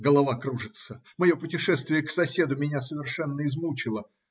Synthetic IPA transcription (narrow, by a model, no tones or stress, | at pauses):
ɡəlˠɐvakɾuʐɨt̪sə | mɐjo̞pʊtʲɪʂɛst̪vʲɪjəksɐsʲe̞d̪ʊmʲɪnʲasəvʲɪrʂɛnːəɪzmut͡ɕɪlˠə